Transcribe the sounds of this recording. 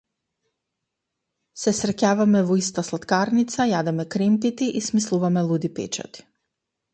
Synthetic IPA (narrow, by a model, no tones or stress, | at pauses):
sɛsɾɛcavamɛvɔist̪aslˠat̪kaɾnit̪sajad̪ɛmɛkɾɛmt̪it̪iʔismislˠuvamɛlˠud̪ipɛ̰t͡ʃa̰t̪i̥